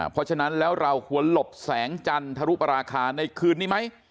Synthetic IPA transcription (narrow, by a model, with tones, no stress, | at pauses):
pʰɔ˦˥t͡ɕʰa˧na˦˥nlɛː˦˥wɾa˧whu˨˩˦ənlo˨˩p̚sɛː˩˦ŋt͡ɕa˧nt̪ʰa˧ɾu˦˥pɾaː˧kʰaː˧na˧jkʰɯː˧nːiː˦˥˩ma˦˥j